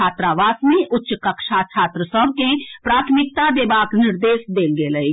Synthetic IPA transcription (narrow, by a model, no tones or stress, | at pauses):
aːt̪ɾaʋaːsmẽʔʊʃkɐkʃat͡ʃʰaːt̪ɾəsɔbkẽpɾaːt̪ʰmɪk̚t̪ad̪eːbaːknɪɾd̪eːsd̪eːlɡeːləi